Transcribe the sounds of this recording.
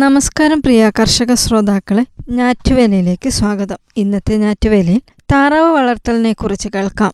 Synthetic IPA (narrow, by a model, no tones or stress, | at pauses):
nɐmɐskaːɾɐmprijaːkɐrʂɐɣɐsroːd̪aːkːɐɭeɲaːtːuʋelɐjile̞ːkːɨswaːɡɐðɐminːɐt̪ːeɲaːtːuʋelɐjil | t̪aːrɐʋɐʋɐɭɐrt̪ːɐline̞kːurit͡ɕːɨkeɭkaːm